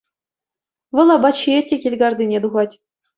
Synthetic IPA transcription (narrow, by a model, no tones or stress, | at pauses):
ʋɤ̆lˠɑbɑt͡ɕietʲːekʲelʲɡɑrd̪ʲinʲed̪uʁɑtʲ